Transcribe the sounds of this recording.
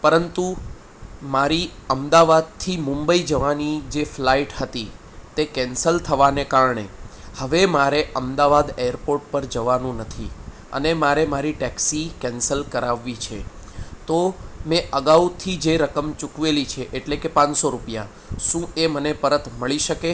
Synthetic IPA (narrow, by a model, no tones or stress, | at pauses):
pəɾənt̪u | maɾiəmd̪aʋad̪̚t̪ʰimʊ̃mbəid͡ʒəʋanid͡ʒeflaiʈɦət̪i | t̪ekɛ̃nsəlt̪ʰəʋanekaɾɳe | həʋemaɾeʔəmd̪aʋad̪eəɾpoɾʈ̚pəɾd͡ʒəʋanũnət̪ʰḭ | ə̰nemaɾemaɾiʈɛksikɛnsəlkəɾaʋːit͡ʃʰet̪omẽʔəɡaʋt̪ʰid͡ʒeɾəkəmt͡ʃukʋelit͡ʃʰeʔeʈlekepãnsoɾupja̰ | ʃũemənepəɾət̪məɭiʃəke